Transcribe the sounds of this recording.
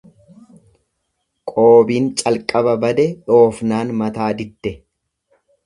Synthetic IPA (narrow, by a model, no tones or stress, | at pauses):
kʼo̞ːbiːnt͡ʃʼɐlkʼɐbɐbɐd̪ɛᶑo̞ːfnaːnmɐt̪aːd̪ɪt̪ːɛ